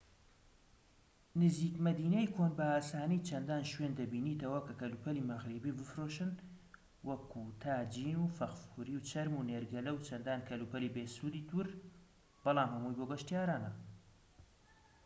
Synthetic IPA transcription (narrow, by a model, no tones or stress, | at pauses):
nɨziːkmɐd̪iːnejkʰoːnbɐaːsaːnijt͡ʃʰɐnd̪aːnʃwend̪ɐbiːnit̪ɐwɐkɐkɐlupʰɐliːmɐɣɾebiːbɨfɾoʃɨn | wɐkʰut̪ʰaːd͡ʒiːnuːfɐqfuɾiwt͡ʃʰɐɾmuneːɾɡɐlɐwt͡ʃʰɐnd̪aːnkʰɐlupɐliːbeːsuːd̪iːt̪ʰuɾ | b̥ɑlˠaːmhɐmuːjboːɡɐʃt̪ijaːɾaːnɐ